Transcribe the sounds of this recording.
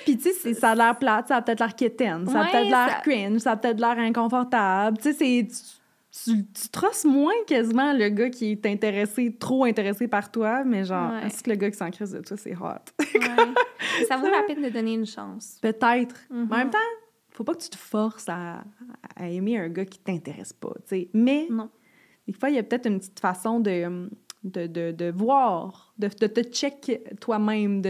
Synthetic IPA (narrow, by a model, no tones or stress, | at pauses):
pit͡sesɛsalɛːʁplat̪saapət̪ɛːt̪laʁket̪ɛnsaapt̪ɛːt̪d̪əlɛɥɪnsaapət̪ɛt̪d̪əlɛːʁɛ̃kɔ̃fɔʁt̪ablt͡sesɛt͡sy̥ | t͡syt͡sy̥t̪χɔsmwɛ̃kʲazimãləɡʌkʲʰiɛt̪ɛ̃t̪eʁeset̪χoɛ̃t̪eʁesepaʁt̪wamɛʒɑ̃ːʁɛ̰̃si̥kələɡʌkʲi̥sɑ̃kχɪs̬d̪ət̪wasɛ̰ɦa̰t̪kʰasavoʁapɛnd̪əd̪ɔneynʃɑ̰̃ːspət̪ɛɪt̪χɑ̃mɛ̃mt̪ã | fopɔkət͡s̪y̥t̪ə̥fɔʁsaː | emeœ̃ɡʌkʲi̥t̪ɛ̃t̪eʁɛ̰spʌ̰t͡semɛnɔ̃ | d̪efwaijɐpət̪ɛːt̪χynpətt͡si̥t̪fasɔ̃d̪ə | d̪əd̪əd̪əvwɑːʁ | d̪əd̪ət̪ət͡ʃɛkt̪wamɛ̃md̪ə